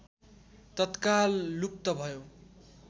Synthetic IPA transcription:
t̪ʌt̪kalːuk̚t̪ʌbʱʌjo

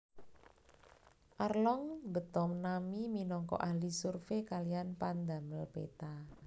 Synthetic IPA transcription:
ʔarlɔŋbə̤t̪ɔmnamiminɔŋkɔ̰ʔahlisurfekalijanpand̪a̤məlpḛt̪a

